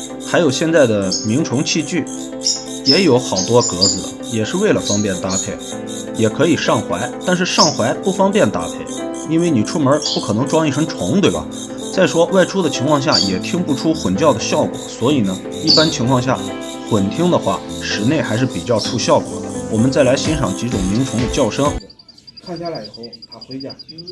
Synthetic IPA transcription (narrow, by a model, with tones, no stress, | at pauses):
xa˧˥ɪjo˨˩ʊɕjɛ˥˧nt͡sa˥˩ɪd̪ə˩mi˧˥ŋʈ͡ʂʰʊ˧˥ŋt͡ɕʰi˥˧t͡ɕy˥˩ | jɛ˧˥jo˨˧˥ʊxɑ˨˩ʊt̪wɔ˥kɤ˧˥d͡zɹ̩˨˩ə | jɛ˨˩ʂɻ̩˥˧we˥˩ɪlə˩fɑ˥ŋpjɛ˥˩nt̪a˧˥pʰe˥˩ɪ | jɛ˨˩kʰɤ˧˥i˨˩ʂɑ˥˩ŋxwa˧˥ɪt̪a˥˧nʂɻ̩˥˧ʂɑ˥˩ŋxwa˧˥ɪpu˥˩fɑ˥ŋpjɛ˥˩nt̪a̰˥pʰe˥˩ɪ | i˥nwe˥˩ɪni˨˩ʈ͡ʂʰu˥mə˞˧˥pu˥˩kʰɤ˨˩nɤ˧˥ŋʈ͡ʂwɑ˥ŋi˥˩ʈ͡ʂʰə˧˥ŋʈ͡ʂʰʊ˧˥ŋt̪we˥˩ɪbɐ̰˩ | t͡sa˥˩ɪʂwɔ˥wa˥˩ɪʈ͡ʂʰu˥d̪ə˨t͡ɕʰi˧˥ŋkʰwɑ˥˧ŋɕja˥˩jɛ˨˩t̪ʰi˥ŋpu˥˩ʈ͡ʂʰu˥xwə˨˩nt͡ɕjɑ˥˩ʊd̪ə˩ɕjɑ˥˩ʊkwɔ̰˨˩swɔ˧˥i˨˩nə˦ | i˥˩pa˥nt͡ɕʰi˧˥ŋkʰwɑ˥˧ŋɕ̬ja̰˥˩ | xwə˨˩nt̪ʰi˥ŋd̪ə˨xwa̰˥˩ʂɻ̩˨˩ne˥˩ɪxa˧˥ɪʂ̬ɻ̩˥˩pi˨˩t͡ɕjɑ˥˧ʊʈ͡ʂʰu˥˧ɕjɑ˥˩ʊkwɔ̰˨˩˦d̪ə˦wɔ˨˩mə˦nt͡sa˥˩ɪla˧˥ɪɕi˧˥nʂɑ˨˩ŋt͡ɕi˧˥ʈ͡ʂʊ˨˩ŋmi˧˥ŋt͡sʰʊ˧˥ŋd̪ə˨t͡ɕjɑ˥˩ʊʂɤ˥ŋ˥˧˥